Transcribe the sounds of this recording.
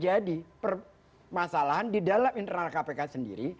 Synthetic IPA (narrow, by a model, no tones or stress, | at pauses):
d͡ʒadipər | masalaɦandidalamint̪ərnalkapekasəndḭɾi